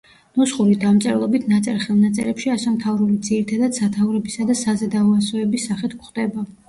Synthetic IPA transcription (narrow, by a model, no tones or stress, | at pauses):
nɔsχuɾid̪amt̪sʼɛɾlˠɔbit̪ʰnat̪sʼɛɾχɛlˠnat̪sʼɛ̰ɾɛpʃiasɛmt̪ʰavɾulid̪ziɾit̪ʰad̪ad̪̥sat̪ʰauɾɛbisad̪asazɛd̪aɔasɔɛbisːaχɛt̪ʰkχd̪ɛba